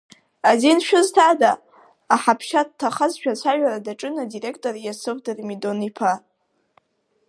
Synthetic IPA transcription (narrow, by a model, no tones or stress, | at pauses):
azinʃᶣʊztʰadaː | ħapʰʃad̚tʰːaχazʃᶣat͡ɕʷʰaʒʷᶣaɾadaʈ͡ʂʼɨnadiɾe̞k̚ʰtʼorjasɨvdɨrmido̞nipʰa